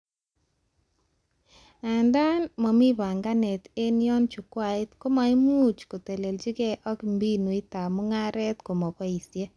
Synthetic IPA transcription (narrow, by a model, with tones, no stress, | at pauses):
a˨nda˦nmɔ˨mi˦βa˨ŋɡa˦nɛ˨te˦njɔ˦nt͡ʃu˨kwa˨i˦tko˦ma˨i˦mu˦t͡ʃko˨te˨le˨ld͡ʒi˦kɛ˦ʔɔ˦kmbi˦nu˨i˦ta˨mo˦ŋa˦ɾɛ˦tko˨mɔ˨kɔ˦i˨sje˦